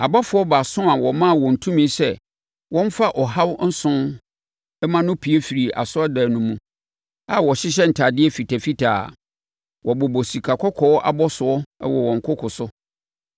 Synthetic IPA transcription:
a˨ba˦fʊ˨ɔ˦ba˨sʊ̃˦a˨wɔ˨mã˦˨wɔ̃˨n̩˨tʰũ˦mĩ˦sɛ˦˨ | wɔ̃˦m˦fa˦ʔɔ˨ɦa˦wn̩˦sʊ̃˦ | ɛ˦mã˦nʊ̃˦pʰi˨e˦fi˨ɾi˨ʔa̰˨sʊ˦a˦da˨nʊ̃˨˦mũ˦ | a˦˨wɔ˨ɕɪ˦ɕ̬ɛ˦n̩˨tʰa˨dɪ˦ɛ˦fi˨tʰa˨fi˦tʰa̰ː˨ | wɔ˨bɔ˨bɔ˨si˨kʰa˨kʰɔ˦kʰɔ˨˦ʔa̰˨bɔ˦sʊ˨ɔ̰˦wɔ˨wɔ̃˨ŋ̩˨kʰʊ˦kʰʊ˨sʊ˦

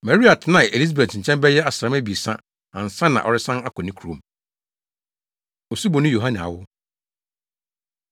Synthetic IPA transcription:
mɛ˨ɾi˦a˨tʰɪ˨nã˨e˨li˦a˨be˨tʰɪ̃˨t͡ɕʰɛ̃˦mbɛ˦jɛ˦a˨sã˦mæ˦bi˨sã̰˦ | ã˨n̩˨sã˦nã̰˨ʔɔ̰˨ɾɪ˦sã˦na˦kʰɔ˨nɪ̃˦kʰu˨õ˨m | ɔ˨su˦bɔ˨nʊ̃˦jo˨ɦã˦nĩ˨a̰˨wʊ˦

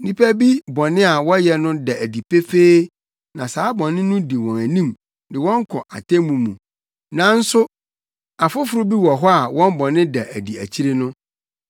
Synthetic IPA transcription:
nĩ˦pʰæ˦bi˦bɔ˨nɪ̃˦a˨wɔ˦jɛ˨nʊ̃˦da˨æ˨di˨pʰe˦feː˦ | nã˨saː˨˦bɔ̃˨nɪ̃˦nʊ̃˦di˨wɔ̃˨æ˨nĩ˦˨m | dɪ˨wɔ̃˦ŋ̩˦kʰɔ˨ʔa˨tʰẽ˦mũ˨mũ˨ | nã˨˦n̩˦sʊ˦ | a˨fʊ˦fʊ˨ɾʊ˦bi˦wɔ˨ɦɔ˦a˨wɔ̃˦m˦bɔ˨nɪ̃˦dɛ˨ʔæ˨di˨æ̰˨t͡ɕʰi˦ɾe˦nʊ̃˦

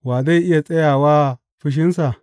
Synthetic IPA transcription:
waː˨za˦ʔɪ˦ja˨t͡sʼɐ˦ja˨wa˦ | ɸʊ˦ʃ̬ɪ˦nsa˨

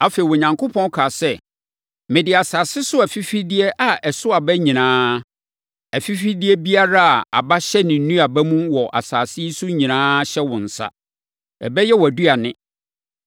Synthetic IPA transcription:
a˦fe˨i˨wɔ˨ɲã˨ŋkʰo˦pʰɔ̃˦n˦kʰaː˨sɛ˦˨ | mɪ̃˨dɪ˨a˨saː˨sɪ˦sʊ˦æ˨fi˦fi˦dɪ˦ɛ˦ʔa˨ʔɛ˨sʊ˦a˨bɛ˦ɲĩ˨nãː˦ | æ˨fi˦fi˦dɪ˦ɛ˦bi˦a˦ɾa˦a˨a̰˨ba˦ɕɛ˦nɪ̃˨n̩˦nũ˦a˨bæ˦mũ˦wɔ˨ʔa̰˨saː˨sɪ˦i˦sʊ˦ɲĩ˨nãː˦ɕɛ˦wʊ̃˨n̩˨sa̰˦ | ɛ̰˨bɛ˦jɛ˦wɔ˨æ˨du˦a˨nɪ̃˦

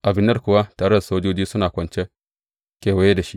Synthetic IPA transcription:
ʔa˨bɪ˦nːɐ˦rkʷʊ˨wa˦taː˨ɽe˦da˨soː˦d͡ʒoː˦d͡ʒiː˦sʊ˦naː˨kʷɐ˨nt͡ʃe˦ | kʲeː˨wɐ˦je˦da˨ʃi˦

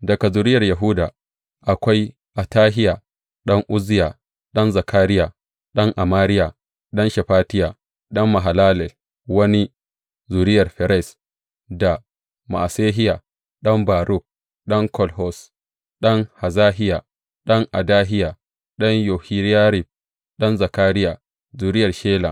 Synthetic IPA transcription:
dɐ˨ka˨zʊ˨ɾɪ˦jɐ˨rja˨ɦu˦da˨ | ʔa˨kʷa˦j | ʔa˨taː˦ɦɪ˦ja˨ | ɗɐ˦ŋʔʊ˦zɪ˦jaː˨ | ɗɐ˦nza˨kʰaː˦ɾɪ˦ja˨ | ɗɐ˦ŋʔa˨maː˦ɾɪ˦ja˨ | ɗɐ˦nʃɛ˨ɸaː˦tɪ˦ja˨ | ɗɐ˦mːa˨ɦa˨laː˦lɛ˨l | wɐ˦ni˦ | zu˨ɾɪ˦jɐ˨rɸɛ˨ɾɛ˦˨s | da˨ | ma̰˨seː˦ɦɪ˦ja˨ | ɗɐ˦mbaː˨ɾʊ˦˨k̚ | ɗɐ˦ŋkɔ˦lhɔ˨s | ɗɐ˦ŋha˨zaː˦ɦɪ˦ja˨ | ɗɐ˦ŋʔa˨daː˦ɦɪ˦ja˨ | ɗɐ˦ɲjɔ˨hi˦ɾja˦ɾi˨b̚ | ɗɐ˦nzɐ˨kaː˦ɾɪ˦ja˨ | zuː˨ɾɪ˦jɐ˨rʃeː˦la̰˨

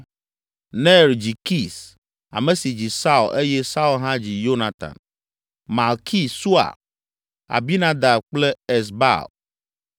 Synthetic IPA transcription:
nɛ˦ɾd͡ʑi˨ki˦s | a̰˨mẽ˨si˨d͡ʑi˨sa˦u˨lʔe˦jɛ˦sa˦u˦lɦã˦d͡ʑi˨jo˦na˨t̪ã̰˨n | ma˨lkʰi˦su˦a̰˨ | a̰˨bi˦nã˦d̪a˨k͡plɛ˦e˨s̬ba̰˦˨l

